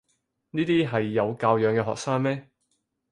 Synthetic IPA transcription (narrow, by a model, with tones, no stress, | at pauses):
niː˥t̪iː˥ɦɐ˨jːɐ˨˧wkaː˧wjœː˨˧ŋkɛː˧ɦɔ̰ː˨ksaː˥ŋmɛː˥